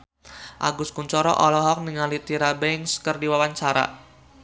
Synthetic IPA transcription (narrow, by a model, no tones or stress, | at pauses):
ʔa̰ɡʊskuɲt͡ʃɔɾɔ̰ʔɔlɔɦɔk̚niŋalit̪iɾabɛŋskərdiwawaɲt͡ʃaɾa̰